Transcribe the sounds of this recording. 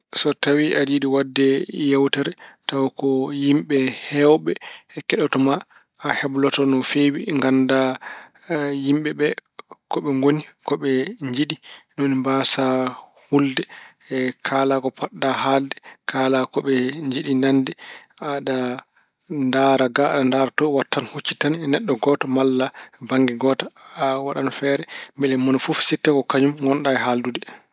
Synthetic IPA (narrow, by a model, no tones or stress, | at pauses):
sɔtawiʔadiɗiwadːɛjawtaɾɛtawakɔjimɓɛhɛwɓɛɛkɛɗɔtɔma | ahɛblɔtɔnɔfewiŋɡanda | jimɓɛɓɛkɔɓɛŋɡonikɔɓɛɲd͡ʒiɗinonimbasahuldɛ | kʰalakɔpaɗːaɦaldɛkʰaːlakɔɓɛɲd͡ʒiɗinandɛ | aɗa | ndaɾaɡaaɗandaɾatɔwatːanhot͡ʃːitaninɛɗːɔɡɔtɔmalːabaŋɡɛɡɔːtawaɗanfɛːɾɛmbɛlɛmonifufsitːakɔkaɲumŋɡɔnɗaɛɦaldudɛ